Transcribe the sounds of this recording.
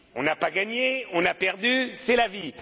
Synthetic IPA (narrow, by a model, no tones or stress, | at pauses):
ɔ̃napaɡaɲeɔ̃napɛʁd̪ysɛlavi